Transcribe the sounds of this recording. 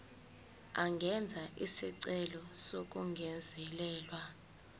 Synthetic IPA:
aŋɡʱɛnd͡zʱaʔisiǀɛlɔsok̬ʼuŋɡʱɛnd͡zʱɛlɛːlwa

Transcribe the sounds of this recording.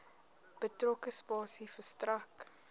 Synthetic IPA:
b̥ətrɔkəspɑːsifəstrɐk

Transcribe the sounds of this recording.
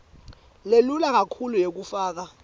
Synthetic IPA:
lelulak̬akʰulujek̬ufaːk̬a

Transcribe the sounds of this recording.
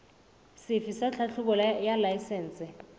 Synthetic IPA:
sɪfisaɬʰaɬʰʊkɔljalajsɛːnt͡sʼɪ

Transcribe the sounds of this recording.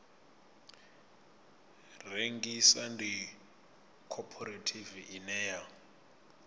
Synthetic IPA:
reŋɡisandi | kʰɔpʰɔɾatʰiviʔinɛja

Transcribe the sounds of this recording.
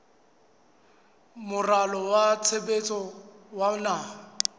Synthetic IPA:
mʊralɔwat͡sʰebet͡sʼɔwanaːɔ

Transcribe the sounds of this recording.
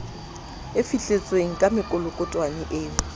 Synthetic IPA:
ɪfiɬʼet͡sʼweŋ̩kʼamɪkʼʊlʊkʼʊtʼwanɪʔeːŋ̩

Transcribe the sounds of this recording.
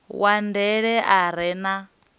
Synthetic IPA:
wandɛɺɛʔaɾ̤ɛna

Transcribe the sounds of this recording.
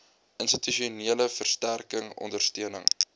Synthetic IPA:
ʔənstityʃiuniələfərstærkəŋɔ̰ndərstiənəŋ

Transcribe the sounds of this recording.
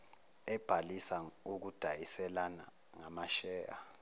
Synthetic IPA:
ɛb̥ʱalisauk̬ud̥ʱajisɛlana̰ | ŋamaʃɛːja

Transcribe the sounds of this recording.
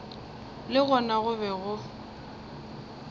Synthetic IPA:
lɪɣɔnaɣʊβɛɣʊ

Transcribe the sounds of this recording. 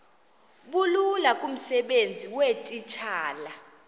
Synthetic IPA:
ɓululakʼum̩sɛɓend͡zʱiwetʼit͡ʃʰaːla

